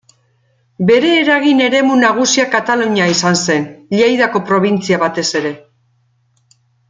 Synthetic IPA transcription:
be̞ɾe̞ːɾaɣ̞ine̞ɾe̞munaɣ̞usiakat̪aluɲaisanse̞nʎejðako̞pɾo̞β̞int͡siaβat̪e̞se̞ɾe̞

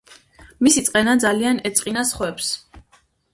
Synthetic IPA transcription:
misit̪sʼqʼɛnad̪zalianɛt̪sʼqʼinasχwɛps

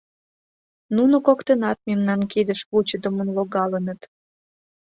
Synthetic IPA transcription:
nunokokt̪enɑt̪̚memnɑnkid̪əʃβut͡ɕəd̪əmənloɣɑlənət̪

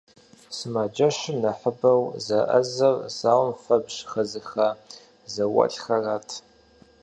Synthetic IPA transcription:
sɨmad͡ʒɐʃɪmnɐħəbɐwzɐʔɐ̰zɐrzaːwmfɐbʒxɐzɨxa | zɐwɐ̰ɬxɐraːtʰ

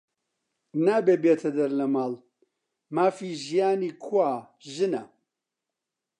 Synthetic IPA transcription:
naːbeːbeːt̪ʰɐd̪ɐɾlɐmaːl | maːfiːʒijaːniːkʰwaː | ʒɨnɐ̰

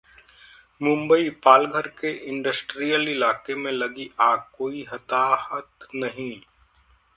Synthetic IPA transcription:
mʊ̃mbəipaːlɡʱəɾkeʔɪ̃ɳɖəsʈɾijəlɪlaːkemẽlɐɡiʔaːkoːiɦɐt̪aːhət̪nɐɦĩ

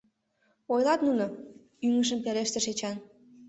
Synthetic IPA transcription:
ojlɑt̪nuno | yŋə̆ʃ̬ə̆mpeleʃt̪eʃet͡ɕɑn

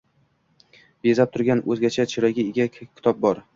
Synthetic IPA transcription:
bezap̚t̪ʰʊɾɡʲanɵzɡʲat͡ʃʰat͡ʃʰɪɾɒjɡʲaeɡʲakʲʰːɪ̥t̪ʰɒp̚bɒɾ

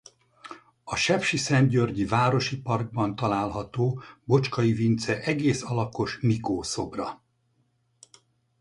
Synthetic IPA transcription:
ɒʃɛpʃisɛnɟørɟivaːɾo̞ʃipɒrɡ̚bɒnt̪ɒlaːlɦɒt̪oːbo̞t͡ʃkɒjivint̪sɛʔɛɡeːsɒlɒko̞ʃmikoːso̞brɒ

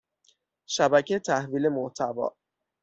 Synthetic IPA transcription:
ʃæbæcʰet̪ʰæhviːle̞moht̪ʰævɒ̰ː

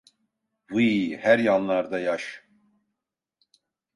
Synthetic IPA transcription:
vɨjhæɾjɑnlˠɑɾd̪ɑjɑʃ

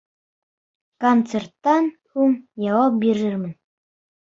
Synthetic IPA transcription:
kont̪sert̪ːɑnhuŋjɑwɑp̚biɾɘɾmɘ̆n

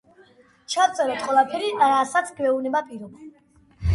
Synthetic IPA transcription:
t͡ʃʰat̪sʼɛɾɔt̪ʰqʼwɛlˠapʰɛɾiɾasat̪sʰɡvɛunɛbapʼiɾɔba

